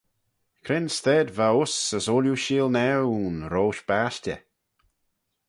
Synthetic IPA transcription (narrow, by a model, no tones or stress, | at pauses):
kʰɾɪnst̪ɛːd̪vaʊsəsoːljuʃiːlˠnɛwunɾoːʃb̥aːʃtʲə̰